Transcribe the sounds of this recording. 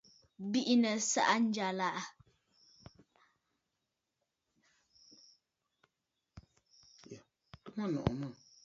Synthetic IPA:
bi˦ʔi˦nə˨sa̰˦ʔa˦n̩˦d͡ʒa˨la˦˨ʔa˨ | tu˦ma˦nɔ̰˨ʔmə˦˨

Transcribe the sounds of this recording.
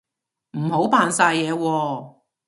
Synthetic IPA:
m̩˨˩ho˨˥wpaː˧nsaː˧jːɛː˨˧wɔː˧

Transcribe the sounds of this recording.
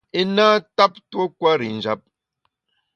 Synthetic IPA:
e˦naː˦ta˦p̚two˦kwa˦ɾi˨n̩˨d͡ʒa̰˦p̚

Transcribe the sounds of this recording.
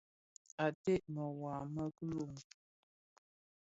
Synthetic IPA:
a˨te˦ʔmə˨waː˨mə˦kə˦lo˨ŋ

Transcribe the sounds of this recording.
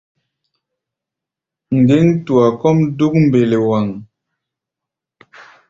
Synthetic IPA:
ŋ̩˨ɡe˦ŋ˦tu˨a˨kɔ˦mdu˦k̚m̩˨be˨le˨wa˨ŋ

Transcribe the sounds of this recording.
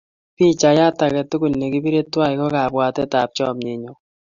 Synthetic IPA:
pi˦t͡ʃa˨ja˦ta˨kɛ˨tu˦ku˨n˨ne˨ki˦βi˦ɾe˦twa˦˨i˨kɔ˦ka˨bwa˨tɛ˦ta˨p̚t͡ʃɔ˦˨mɲe˨ɲo˨

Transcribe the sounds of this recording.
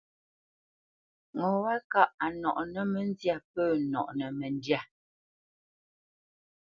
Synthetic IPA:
ŋɔ˨wa˦ka˦˨ʔa˨nɔ˨ʔnə˨mɛ˨n˦zja˦˨pəː˦˨nɔ̰˨ʔnə˨mɛ˨n˦dja˦˨

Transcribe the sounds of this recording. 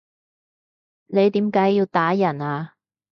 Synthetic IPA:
ne˨˧jt̪iː˨˥mkaː˨˥jiː˧wt̪aː˨˥jɐ˨˩naː˧

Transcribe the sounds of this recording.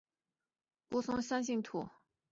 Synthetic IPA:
ko˥sʊ˥ŋsa˥nɕ̬i˥ŋt̪ʰu˥˩

